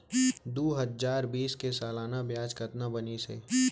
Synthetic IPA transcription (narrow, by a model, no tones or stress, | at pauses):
d̪oːɦəd͡ʒaːɾbiːskesaːlaːnabjaːd͡ʒkət̪nabɐnisḛː